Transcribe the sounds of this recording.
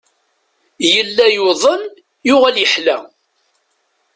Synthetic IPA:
jəlːæjʊðˤən | jʊʁæljəħlæ

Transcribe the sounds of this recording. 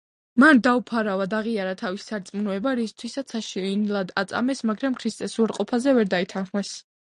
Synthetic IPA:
mand̪aupʰaɾavad̪aʁiaɾat̪ʰavisi̥saɾt̪sʼmunɔɛbaɾist̪ʰwisat̪sʰaʃiinilˠad̪at̪sʼa̰mɛsmaɡɾamkʰɾist̪ʼɛsuaɾqʼɔpʰazɛvɛɾd̪ait̪ʰanχmɛs

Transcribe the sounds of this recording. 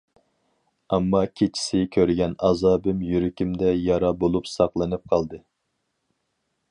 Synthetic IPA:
ɑmːɑkʲʰet͡ʃʰi̥sɪkʲʰøɾɡʲɛnɑzɑːbɪmjyɾɪkʲimd̪ɛjɑɾɑbolˠupsɑqlˠɨnɨp̚qʰɑlˠd̪ɨ

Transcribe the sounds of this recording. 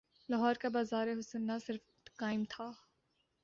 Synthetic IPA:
lɐɦɔːɾkabaːzaːɾeɦʊsənːasɪɾf | kaːɪmt̪ʰaː

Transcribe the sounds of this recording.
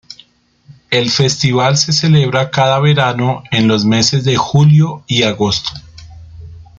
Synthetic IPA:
e̞lfe̞st̪iβalse̞se̞le̞βɾakaðaβe̞ɾano̞e̞nlo̞zme̞se̞zd̪e̞xuljo̞iaɣo̞st̪o̥

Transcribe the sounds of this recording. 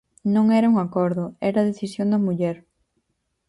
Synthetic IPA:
nõŋɛɾɐuŋakɔɾðʊɛɾɐðeθisjond̪ɐmuʎɛɾ

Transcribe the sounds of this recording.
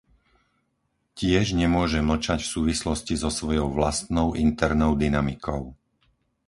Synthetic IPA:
cɪɛʒɲɛmʊɔʒɛml̩t͡ʃacfsuːʋislɔscizɔsʋɔjɔʊʋlast̪nɔʊʔint̪ɛɾnɔʊd̪inamikʰɔʊ

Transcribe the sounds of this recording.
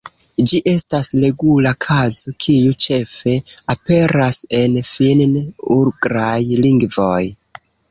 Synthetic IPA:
d͡ʒiʔe̞stasle̞ɡulakʰazo̞kʰijut͡ʃe̞fe̞ape̞ɾase̞nfinnuɾɡɾajliŋɡvo̞j

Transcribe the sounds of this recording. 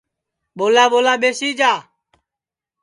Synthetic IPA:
ɓoːlaːɓoːlaːɓeːsiːd͡ʒaː

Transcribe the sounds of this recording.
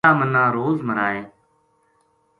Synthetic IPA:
aːmənãːɾoːzməɾaːeː

